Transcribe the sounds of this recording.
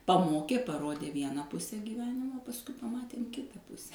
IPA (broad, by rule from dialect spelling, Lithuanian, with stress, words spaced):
pɐˈmoːkʲeː pɐˈroːdʲeː ˈʋʲiɛnɐ ˈpʊsʲɛ ɡʲiːˈʋʲæːnʲɪmoː pɐsˈkʊɪ pɐˈmɑːtʲeːm ˈkʲɪtɐ ˈpʊsʲɛ